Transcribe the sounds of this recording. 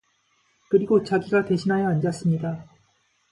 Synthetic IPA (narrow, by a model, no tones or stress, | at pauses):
kɯɾiɡot͡ɕaɡiɡate̞ɕʰinɦajʌand͡ʑas͈ɯmɲida